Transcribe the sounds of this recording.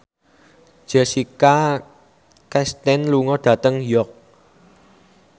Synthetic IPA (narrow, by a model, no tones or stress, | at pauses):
ʒ̥ɛsika | kɛst̪ɛnluŋɔɖ̥ä̤t̪əŋjɔk̚